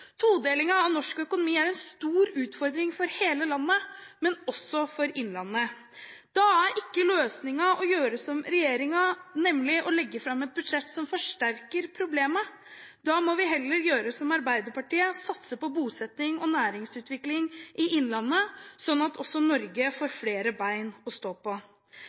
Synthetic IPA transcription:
t̪ʰuːd̪eːlɪŋɑɑʋnɔʂkœkʊnʊmiːæɾɛnst̪uːɾʉːt̪fɔɾd̪ɾɪŋfɔɾheːləlɑnːəmɛnɔsːɔfɔɾɪnlɑnːə | d̪̥ɑæɾɪkːəløːsnɪŋɑɔjøːɾəsɔmɾɛjeːɾɪŋɑnɛmːlɪʔɔlɛɡːəfɾɑmːɛt̪̚bʉd̪ʂɛt̪ːsɔmfɔʂʈæɾkəɾpʰɾʊbleːmə | d̪̥ɑmɔʋɪɦɛlːəɾjøːɾəsɔmɑɾbæɪd̪əɾpɑʈiːəsɑt̪səpɔbuːsɛt̪nɪŋɔnæːɾɪŋsʉːt̪ʋɪklɪŋʔɪʔɪnlɑnːəsɔnːɑt̪ʰɔsːɔnɔɾɡəfoːɾfleːɾəbæɪnɔst̪oːpɔ

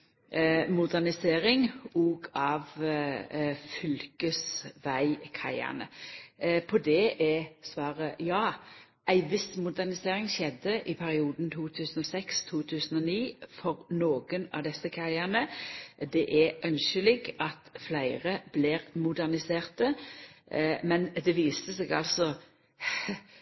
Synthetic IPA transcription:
mʊd̪ænɪseːʁɪŋɔːɡɑʋ | fʏlkəsʋæɪkʰæ̰ɪɑ̰nə̰ | pʰɔd̪ɛʔɛsʋɑːʁəjɑː | ʔæɪʋɪsmʊd̪æʁnɪseːʁɪŋʃɛd̪ːəʔɪpʰæʁɪuːd̪n̩t̪ʰuːt̪ʰʉːsən̩ɔsɛkst̪ʰuːt̪ʰʉːsənɔniːfɔʁnoːɡ̥ənɑ̰d̪ɛsːəkʰæɪənəd̪ɛʔæʔœnʃəlɪɡɑt̪flæɪʁəbliɾmʊd̪æʁnɪseːʁt̪ə | mɛnd̪ɛʋiːst̪əseːɡɑ̰lsɔ

